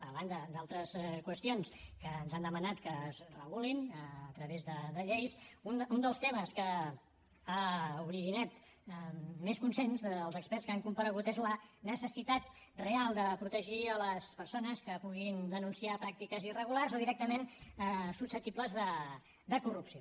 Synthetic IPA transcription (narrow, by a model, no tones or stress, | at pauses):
əβand̪əd̪alˠt̪ɾəskwəst̪ionskəːnzand̪əmənat̪kəzrəɣulinːt̪ɾəβezðəd̪əʎejsunund̪əlˠst̪eməskə | auɾiʒinɛt̪ | meskunsenzðəlˠzəkspɛrtskaŋkumpəɾəɣ̞ut̪ezlənəsəsit̪at̪̚ | realˠd̪əpɾut̪əʒiələspəɾsonəskəpuɣind̪ənunsiapɾak̚t̪ikəzirəɣularzoðiɾɛk̚t̪əmenəsusəp̚t̪ipləzðə | d̪əkurupsio